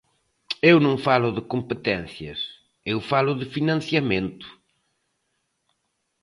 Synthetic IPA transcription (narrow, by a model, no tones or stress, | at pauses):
ewnɐ̃w̃falʊðɪkõmpɨt̪ẽnθjɐs | ewfalʊðɪfinɐ̃nsjɐmẽnt̪ʊ̥